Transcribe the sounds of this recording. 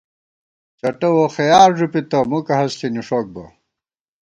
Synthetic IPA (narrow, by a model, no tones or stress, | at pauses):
t͡ɕɐʈɐwoxɐjaːɾʐupit̪ɐmukɐɦɐskiniʂok̚bɐ̰